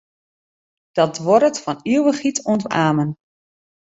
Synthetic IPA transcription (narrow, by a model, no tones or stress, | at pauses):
d̥ɔtʋɔɾətfɔniəwəxitɔntaːmən